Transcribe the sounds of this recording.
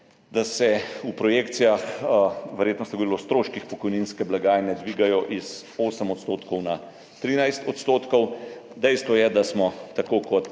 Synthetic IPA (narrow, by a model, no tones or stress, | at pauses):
d̪asɛupɾɔjeːkt̪sijaxʋɛɾjeːt̪nɔst̪ɐɡɔd̪ilɔst̪ɾoːʃkixpɔkɔjninskɛblaɡaːjnɛd̪ʋiːɡajɔʔis | oːsəmɔt̪st̪oːt̪kɔwna | t̪ɾiːnajst̪ɔt̪st̪oːt̪kɔwd̪ɛjst̪ʋɔjɛd̪asmɔt̪akoːkɔt̪